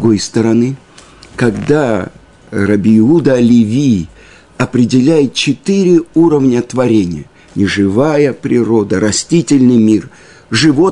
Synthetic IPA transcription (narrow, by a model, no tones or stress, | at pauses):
ɡojst̪əɾɐnɨ | kɐɡd̪a | rɐbʲɪɪud̪əlʲɪvʲij | ɐpɾʲɪdʲɪlʲæjɪt̪̚t͡ɕɪt̪ɨɾʲɪuɾəvnʲət̪vɐɾʲenʲɪ̰jə | nʲɪʐɨvajəpɾʲɪɾo̞d̪əɾɐsʲtʲitʲɪlʲnɨjmʲir | ʐɨvo̞